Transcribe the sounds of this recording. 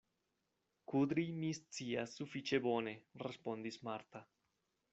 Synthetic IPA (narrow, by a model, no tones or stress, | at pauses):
kud̪ɾimist͡siasːufit͡ʃe̞bo̞ne̞ɾespo̞nd̪ismaɾt̪a